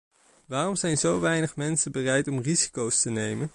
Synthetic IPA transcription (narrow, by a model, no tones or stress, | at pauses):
ʋaːrɔmzɛjnzowʋɛjnəχmɛnsənbərɛjtɔmrizikowstənejmən